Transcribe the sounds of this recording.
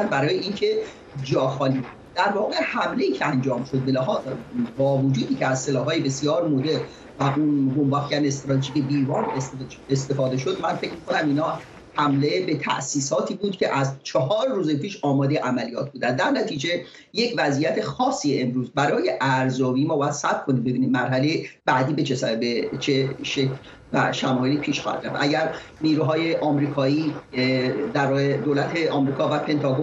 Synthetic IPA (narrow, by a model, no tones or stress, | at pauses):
nbæɾɒːjeincʰe̞ | d͡ʒɒːxɒːliː | d̪̥æɾvɒːɣe̞hæmle̞iːcʰeænd͡ʒɒːmʃo̞d̪̚belæɦɒːzbɒːvod͡ʒuːd̪iːcʰeæzselɒːhɦɒːjebesijɒːɾmod̪e̞ɾn | væunbombɒxiæne̞st̪ɾɒt̪ʰeʒiːcʰeb̪iːvɒːnes | est̪e̞fɒːd̪e̞ʃod̪mænfecʰmiːkʰo̞næmiːnɒː | hæmle̞be̞t̪ʰæ̰ʔsiːsɒːt̪ʰiːbuːd̪cʲʰeʔæzt͡ʃʰɒɦɒːɾːuːzepʰiːʃɒːmɒːd̪ejeʔæmælijɒːt̪̚ʰbuːd̪ænd̪d̪ːæɾnæt̪ʰiːd͡ʒe̞ | jecʰvæzijæt̪ʰexɒːsːiːeemɾuːzbæɾɒːje̞ʔæɾzɒːbiːmɒːbɒːjæd̪̥sæb̚kʰo̞niːmbe̞biːnid̪̚mæɾɦælejeb̥æd̪iːbe̞t͡ʃʰesæbet͡ʃʰeʃecʰl | væ̰ʃæmɒːjeliːpʰiːʃxɒ̰hæ̰d̪ɾæfʔæɟæɾniːɾuːɦɒːje̞ʔɒːmɾiːkʰɒːiː | d̪æɾed̪olæt̪ʰeʔɒːmɾiːkʰɒːvæpʰe̞nt̪ʰɒɡo